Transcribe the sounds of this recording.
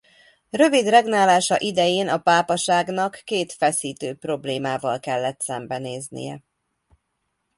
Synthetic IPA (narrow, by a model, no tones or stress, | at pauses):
rø̞vid̪rɛɡnaːlaːʃɒʔid̪ɛjeːnɒpaːpɒʃaːɡnɒkːeːt̪fɛsiːt̪øːpro̞bleːmaːvɒlkɛlːɛt̪sɛmbɛneːznḭjɛ̰